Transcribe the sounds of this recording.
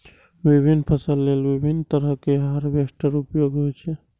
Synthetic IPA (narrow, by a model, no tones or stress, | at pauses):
bibʱinːpʰəsəlːelbibʱinːt̪əɾəkeɦəɾbesʈəɾupjoɡɦojt͡ʃʰɛ